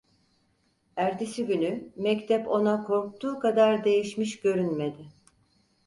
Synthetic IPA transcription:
æɾd̪isiɟʲynymɛct̪ʰɛpo̞nakʰo̞ɾk̚t̪ʰuːkad̪aɾd̪e̞jiʃmiʃɟø̞ɾynme̞d̪ɪ

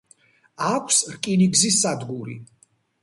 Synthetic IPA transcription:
akʷʰsɾkʼiniɡzisad̪ɡuɾḭ

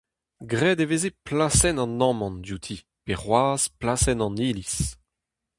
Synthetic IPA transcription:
ɡʁɛːd̪eveːzeplasɛnɑ̃nɑ̃mɑ̃ndjut̪ʰiː | peʁwaːz̥plasɛnɑ̃niːlis

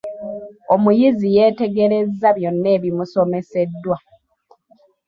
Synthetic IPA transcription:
o̞mujizijeːte̞ɡe̞ɾe̞zːaβjo̞nːe̞ːβimuso̞me̞se̞dːwa

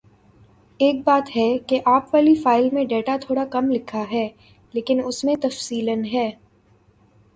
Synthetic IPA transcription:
eːk̚baːt̪ɦɛkeʔaːpʋaːlifaːɪlmẽɖeːʈat̪ʰoːɽakɐmlɪkʰːaɦɛː | leːkɪnʊsmẽt̪ɐfsiːlənɦɛː

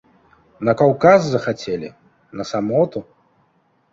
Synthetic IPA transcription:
nɐkawkazːɐxat͡sʲelʲḭ | nɐsamɔt̪u

